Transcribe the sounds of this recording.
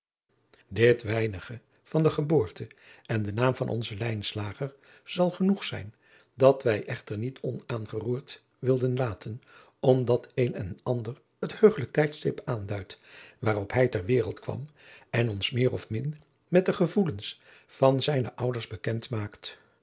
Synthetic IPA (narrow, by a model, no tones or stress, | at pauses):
dɪtʋɛjnəχə | v̥ɑndəχəboːɹtəʔɛndənaːmvɑ̰nʔɔ̰nzəlɛjnslaːχəɹ | z̥ɑlˠχənuχsɛ̰jn | dɑtʋɛjʔɛχtəɹnitʰɔnaːnχəruːɹt | ʋɪlˠdənlaːtʰən | ɔmdɑtejnɛ̰nɑndər | əthøɥχələk̚tɛjtstɪpaːndœɥtʋaːrɔpɦɛjtɛɹʋɪːrəlˠtkʋɑ̰m | ɛnɔnsmɪːrɔfmɪn | mɛt̚dəχəvuləns | fɑnzɛjnəʔʌwdəɹzbəkɛntmaːkt